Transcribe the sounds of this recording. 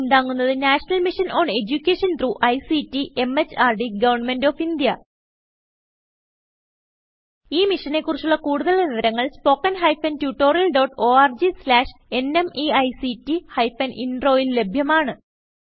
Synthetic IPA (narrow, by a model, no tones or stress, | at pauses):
nd̪aːŋːunːɐðɨnaːʂɐnɐlmiʂɐnoːɳe̞d͡ʑukʲːeːʂɐnt̪ruːʔɐjsitːiʔe̞met͡ɕːaːrɖiɡɐʋɐrɳnme̞nɖoːfind̪jɐ | iːmiʂɐne̞kːurit͡ɕːuɭːɐkuːɽuðɐɭniʋɐɾɐŋːɐɭspo̞ːkːɐnɦɐjfɐntjuːʈːo̞ːrjɐlɖo̞ːʈːo̞ːaːrd͡ʑislaːʂe̞nemiɐjsitːihɐjfɐnʔinɖro̞ːille̞bʱjɐmaːɳɨ